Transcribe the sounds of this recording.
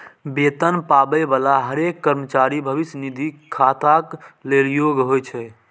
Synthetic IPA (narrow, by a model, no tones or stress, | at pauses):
bet̪ənpabəbalaɦəɾekːəɾmət͡ʃaɾibʱəʋisnid̪ʱikʰat̪akleljoɡɦojt͡ʃʰɛ